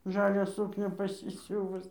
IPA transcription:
ˈʒɑːlʲæː ˈsuːknʲæː pɐsʲɪˈsʲuːʋʊs

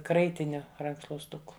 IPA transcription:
ˈkrɐɪtʲɪnʲʊ rɐŋkʃlˠuɔsˈtʊkʊ

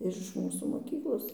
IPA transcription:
ɪr ɪʃ ˈmuːsuː moːˈkʲiːklˠoːs

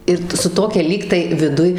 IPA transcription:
ˈɪr tɐ sʊ ˈtoːkʲɛ ˈlʲiːktɐɪ ʋʲɪˈdʊj

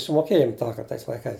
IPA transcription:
sʊmoːˈkʲeːjoːm ˈtɑːkɐrt tɐɪs lˠɐɪˈkɐɪs

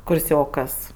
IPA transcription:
kʊrʲˈsʲoːkɐs

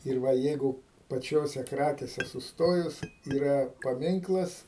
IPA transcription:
ɪr ˈʋɐ ˈjɛɪɡʊ pɐˈt͡ʃʲoːsʲɛ ˈkrɑːkʲeːsʲɛ sʊsˈtoːjʊs iːˈrɐ pɐˈmʲɪŋklˠɐs

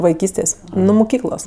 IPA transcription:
ʋɐɪˈkʲiːsʲtʲeːsʲ nʊ mʊˈkʲiːklˠoːs

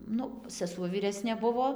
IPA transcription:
ˈnʊ sʲɛˈsuɔ ʋʲiːˈrʲæːsʲnʲeː ˈbʊʋoː

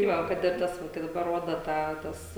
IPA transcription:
tɐɪ ˈʋɐ kɐt ɪr ˈtɐs ˈʋɐ kɐɪ dɐˈbɐr ˈroːdɐ ˈtɑː ˈtɐs

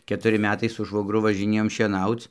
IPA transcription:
kʲɛtʊˈrʲɪ ˈmʲæːtɐɪ sʊ ʃʋoːɡˈrʊ ʋɐʒʲɪˈnʲeːjoːm ʃʲiɛˈnɐʊt͡s

